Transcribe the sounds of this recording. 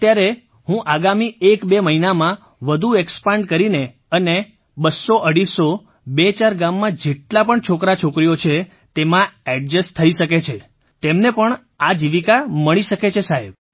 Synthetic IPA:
t̪jaɾe | ɦũʔaɡamiekbeməɦinamã | ʋəd̪ʱuekspaɳɖkəɾine | əne | bəsːoʔəɽiso | bet͡ʃaɾɡamːãd͡ʒeʈlapəɳt͡ʃʰokɾat͡ʃʰokɾijot͡ʃʰe | t̪emãɛɖ̚d͡ʒəst̪ʰəiʃəket͡ʃʰe | t̪emnepəɳ | ad͡ʒiʋikaməɭiʃəket͡ʃʰesaɦeb

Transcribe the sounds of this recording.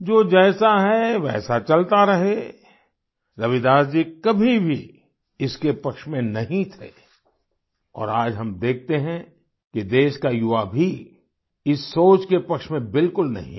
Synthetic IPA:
d͡ʒoːd͡ʒɛːsaɦɛʋɛ̰ːsat͡ʃɐlt̪aɾɐɦe | ɾɐʋɪd̪aːsd͡ʒiːkɐbʱibʱi | ɪskepɐkʃmẽnɐɦĩt̪ʰḛ | ɔ̰ːɾaːd͡ʒɦɐmd̪eːk̚ʰt̪eɦɛ̃ | kid̪eːʃkajʊʋabʱi | ɪsːoːt͡ʃkepɐkʃmẽbɪlkʊlnɐ̰ɦḭ̃

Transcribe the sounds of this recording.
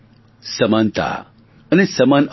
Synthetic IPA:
səmant̪a̰ | ənesɐman

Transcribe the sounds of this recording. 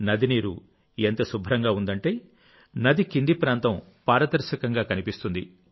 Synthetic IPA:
nɐd̪iniːɾṵ | ent̪ɐsubʱɾɐŋɡaːund̪ɐɳʈeː | nɐd̪ikind̪ipɾaːnt̪ɐm | paːɾɐd̪ɐɾʃɐkɐŋɡaːkɐnipist̪und̪ḭ

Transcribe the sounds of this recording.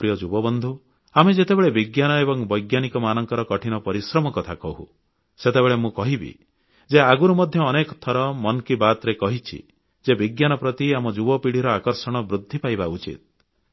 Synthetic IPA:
pɾijɔd͡ʒubɔbɔnd̪ʱu | amed͡ʒet̪ebeɭebiɡjanɔebɔŋbɔjɡjanikɔmanɔŋkɔɾɔkɔʈʰinɔpɔɾisɾɔmɔkɔt̪ʰakɔɦṵ | set̪ebeɭemũkɔɦibḭ | d͡ʒeaɡuɾumɔd̪ʱjɔːnekɔt̪ʰɔɾɔmɔnkibat̪ɾekɔɦit͡ʃʰḭ | d͡ʒebiɡjanɔpɾɔt̪iamɔd͡ʒubɔpiɽ̤iɾɔakɔɾsɔɽ̃ɔbɾud̪ʱːipajbaut͡ʃḭt̪̚

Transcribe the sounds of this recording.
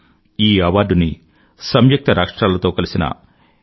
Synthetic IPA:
iːɐʋaːɖuni | sɐmjɐk̚t̪ɐɾʔaːkʂʈɾaːlɐt̪o̞ːkɐlisinɐ̰

